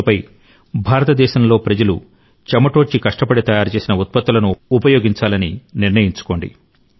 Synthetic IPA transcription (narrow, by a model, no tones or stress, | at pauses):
pɐj | bʱaːɾɐt̪ɐd̪ɛːʃɐmlo̞ːpɾɐd͡ʒɐlṵ | t͡ʃɐmɐʈo̞ːt͡ʃikɐʂʈɐpɐɽet̪ɐjaːɾt͡ʃe̞ːsinɐut̪̚pɐt̪ːulɐnuːpɐjo̞ːɡiɲt͡ʃaːlɐniniɾnɐjiɲt͡ʃu̥ko̞ːɳɖḭ